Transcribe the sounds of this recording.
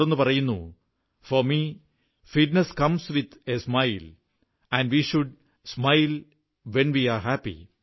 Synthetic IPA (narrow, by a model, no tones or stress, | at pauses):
onːupɐrɐjunːṵ | foɾmi | fiʈ̚neskɐmsʋid̪esmajl | æ̃nɖʋiːʃuɖ̚ | smajl | ʋenʋiːaːɾɦæpːḭ